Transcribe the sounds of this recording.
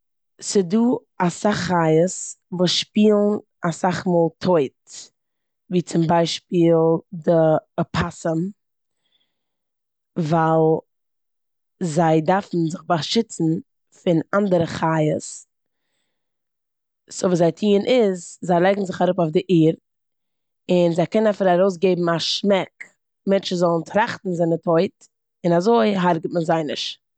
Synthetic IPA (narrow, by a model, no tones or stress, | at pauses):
sɪduː | asaχːajəsvuːsʃpiːlˠn | asaχmoːlˠtʰoɪt | viːt͡sɪmbaɪʃpiːlˠdəpʰasəm | valˠ | zaɪdaɾfn̩zɪχbaʃɪt͡sn̩ | fɪnandəɾəχajəs | soviːszaɪtʰiːənʔɪzzaɪlˠɛɡŋ̩zɪχaɾʊpaʊfdɪʔiːɾ | ɪnzaɪkɛnənafɪɾaɾoʊs̬ɡeɪbm̩aʃmɛk | mɛnt͡ʃəzɔlˠən̩tʰɾaχtn̩zɪnətʰoɪt | ɪnazoɪɦaɾɡətmənzaɪnɪʃ